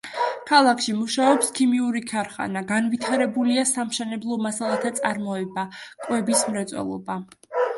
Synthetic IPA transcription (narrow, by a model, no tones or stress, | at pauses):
kʰalˠakʰʃimuʃaɔpskʰimiuɾikʰaɾχa̰naɡanvit̪ʰaɾɛbuliasamʃɛnɛblˠɔmasalˠat̪ʰat̪sʼaɾmɔɛbakʼwɛbismɾɛt̪sʼwɛ̰lˠɔ̰ba